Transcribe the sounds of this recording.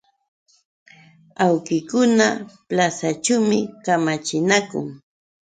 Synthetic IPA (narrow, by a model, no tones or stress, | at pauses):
awkɪkʊnaplasat͡ʃumɪkamat͡ʃɪnakʊ̰ŋ